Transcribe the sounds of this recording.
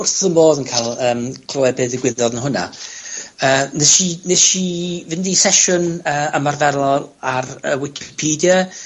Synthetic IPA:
ʊrθənmboːðənkʰajlˠəːmkʰl̥oːɛbɨːðəɡwɪðɔðnəɦʊna̰ | əːnɛʃineʃivɪndisɛʃʊnəːəmarvɛɾˠɔaɾə̰wɪkʰɪpʰiːdjə

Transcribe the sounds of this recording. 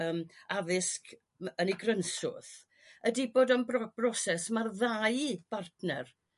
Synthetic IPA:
əːmavɪsk | əniɡrənsʊ̰θ | ədiboːdɔnbɔb̥rɔsɛsmarðajb̥artnɛr

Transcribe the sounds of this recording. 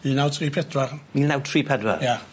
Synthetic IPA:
iːnawtʰriːpʰɛdwarmiːlnawtʰriːpʰɛdwa̰ja

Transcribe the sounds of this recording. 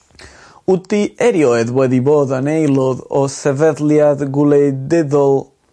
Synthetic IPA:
utiɛɾjɔjðwɛðiboːðənejlˠɔðɔsɛvɛðljaðɡulˠejdɛðɔlˠ

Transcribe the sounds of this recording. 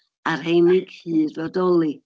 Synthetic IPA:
arhejnɪɡ̥hiːdvadɔlˠi

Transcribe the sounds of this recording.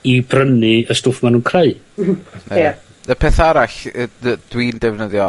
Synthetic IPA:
ibrənɨəstʊfmanuːnkʰreɨ | ne | əpʰɛːθaɾaɬəd̥wiːndɛvnəðjɔ

